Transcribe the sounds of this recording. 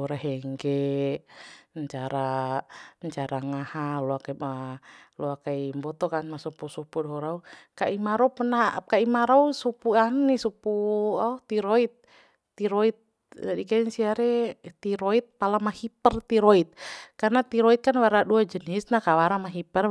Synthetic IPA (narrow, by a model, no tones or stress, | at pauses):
ɾaɦɛŋɡɛ | əɲt͡ʃaɾa | ɲt͡ʃaɾaŋahalɔakamaluakaimbɔt̪ɔkanmasupusupudɔɾaukaimaɾɔpənakaimaɾausupuannisupuat̪iɾɔit̪̚ː | iɾoit̪̚ | d͡ʒadikansiaɾɛt̪iɾoit̪̚palamahipərt̪iɾɔit̪̚karnat̪iɾɔit̪̚kanwaɾaduad͡ʒənisnakawaɾamaɦipər